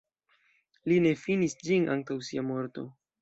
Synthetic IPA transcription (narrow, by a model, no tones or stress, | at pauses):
line̞finisd͡ʒinʔa̰ŋtawsiamo̞ɾto̞̰